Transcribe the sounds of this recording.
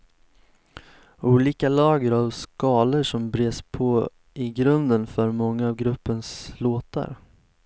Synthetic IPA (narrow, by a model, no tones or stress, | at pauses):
uːliːkalɑːɡəɾavskɑːləʂɔmbɾeːspʰɔ | ɪɡɾɵnd̪ənfœɾmɔŋːaːvɡɾɵpːənsloːt̪a̰ɾ